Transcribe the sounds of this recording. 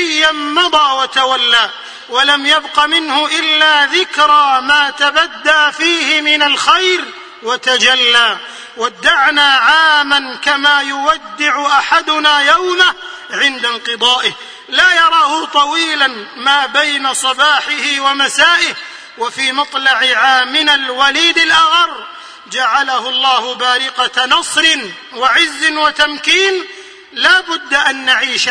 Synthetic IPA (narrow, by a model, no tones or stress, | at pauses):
jːanmɑd̪ˤɑːwat̪awalːaː | walamjabqɑmɪnhʊʔɪlːaːðɪkɾˤɑmaːt̪abad̪ːaːfiːhɪmɪnalxajɾ | wat̪ad͡ʒalːaː | wad̪ːaʕnaːʕaːmankamaːjʊwad̪ːɪʕʊʔaħad̪ʊnaːjawma | ʕɪnd̪anqɨd̪ˤɑːʔɪh | laːjɑɾˤɑːhʊt̪ˤɑwiːlanmaːbajnasˤɑbaːħɪhɪwamasaːʔɪh | wafiːmɑt̪ˤlɑʕɪʕaːmːɪnalwaliːd̪ɪlʔaɣɑɾˤ | d͡ʒaʕalahʊlˤːɑːhʊbaːɾɪqanɑsˤɾɪn | waʕɪzːɪnwat̪amkiːn | laːbʊd̪ːaʔanːaʕiːʃ